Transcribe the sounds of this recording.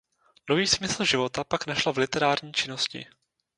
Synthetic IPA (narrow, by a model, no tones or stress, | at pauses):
noviːsmɪsl̩ʒɪvo̞t̪apaknaʃlavlɪt̪ɛɾaːɾɲiːt͡ʃɪno̞scɪ̰